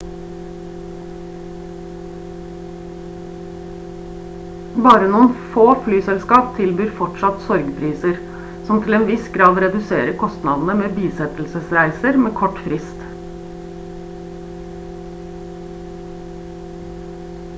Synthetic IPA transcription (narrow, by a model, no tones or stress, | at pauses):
bɑːɾənuːənfoːflyːsɛlskɑːpt̪ʰɪlbyːɾfɔʈʂɑt̪sɔɾɡpʰɾiːsəɾ | sɔmt̪ʰɪleːnʋɪsɡɾɑːʋɾɛd̪ʉseːɾəkʰɔst̪nɑ̰ːd̪n̩əmeːbiːsɛt̪l̩səsɾæɪsəɾmeːkʰɔʈfɾɪst̪